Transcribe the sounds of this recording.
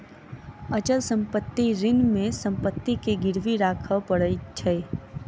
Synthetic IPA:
ət͡ʃəlsə̃mpət̪ːiɾɪnmẽsə̃mpət̪ːikeɡɪɾʋiɾaːkʰəwpəɽəit͡ʃʰəe

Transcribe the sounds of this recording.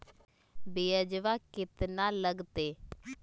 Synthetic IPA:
beːəd͡ʒʋaːkɪt̪naːləɡt̪eː

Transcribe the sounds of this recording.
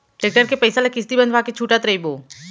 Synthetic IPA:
ʈek̚ʈəɾkepəɪsalakɪst̪ibə̃nd̪ʱʋaket͡ʃʰuːʈat̪ɾəiboː

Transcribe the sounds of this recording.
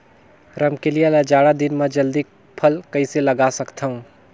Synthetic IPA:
ɾəmkelijalad͡ʒaːɽad̪inmẽd͡ʒəld̪i | pʰəlkəiseləɡasəkt̪ʰaɦũ

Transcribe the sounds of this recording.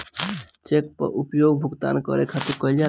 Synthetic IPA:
t͡ʃek̚pə̰ɾʔupjoɡbʱuɡt̪a̰nkə̰ɾekʰat̪ukəld͡ʒa

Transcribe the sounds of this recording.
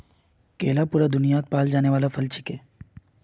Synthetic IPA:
keːlapuːɾad̪ʊnijaːt̪̚paːld͡ʒaːneʋaːlafʰɐlt͡ʃʰɪkeː

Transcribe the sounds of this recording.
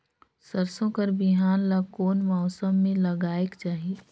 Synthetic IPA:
səɾsõkəɾbɪɦaːnlakoːnmɔːsəmːẽləɡaːekt͡ʃaːɦie

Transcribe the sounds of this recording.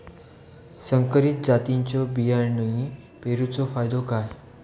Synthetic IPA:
səŋkəɾit̪̚d͡zat̪iɲt͡ɕɔbijaɾnəɦĩ | peɾut͡sɔfajd̪ɔkaj

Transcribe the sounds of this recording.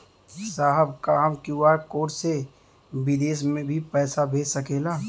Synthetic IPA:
saːɦəbkaɦəmkjuːaːɾkoːɾse | bɪd̪eːsmẽbʱipɛːsabʱeːsəkeːlaː

